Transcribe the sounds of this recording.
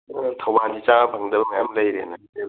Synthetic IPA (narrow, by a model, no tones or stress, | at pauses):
tʰɐwbandit͡ʃabʰʱaŋdɐlmajamləjɾena | e